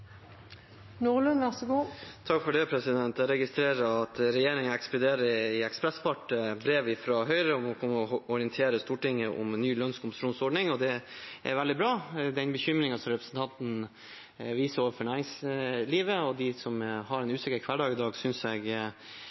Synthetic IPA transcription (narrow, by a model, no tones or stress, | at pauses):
nuːʁlʉnʋæʁsəɡuːt̪ʰɑkːfɔɖɛpʰɾɛsɪd̪ɛnt̪æɾɛɡɪst̪ɾeːɾəɾɑt̪ɾɛjeːɾɪŋənɛkspɛd̪eːɾəɪɛkspɾɛspɑʈːəbɾeːʋɪfɾɑɦœʏɾəɔmɔkʰɔməɔɔɾɪənt̪ʰeːɾəst̪uːʈɪŋːəʔɔ̰mnːyːlœnskʰʊmpəsʂuːnsɔɖɳɪŋɔd̪ɛʔɛ̰ɾʋɛld̪ɪbɾɑːd̪ɛnbəçʏmɾɪŋɑsɔmɾɛpɾəsnt̪ʰɑnt̪n̩ | ʋiːsəɾoːʋəɾfɔɳæɪɾɪŋsliːʋəɔd̪ɪsɔmhɑɾɛnʉːsɪkəɾkʰʋæɖɑːɡɪd̪ɑːɡsʏnsɛɡ